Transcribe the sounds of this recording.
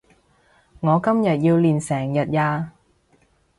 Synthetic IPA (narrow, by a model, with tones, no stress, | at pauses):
ŋɔː˨˧kɐ˥mjɐ˨t̚jiː˧wliː˨˩nsɛː˨˩ŋjɐ˨t̚jaː˧